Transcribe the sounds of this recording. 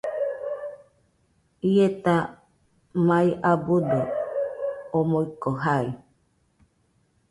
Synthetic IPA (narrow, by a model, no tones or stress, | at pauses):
iet̪a | maiʔabud̪o | omoikoɦai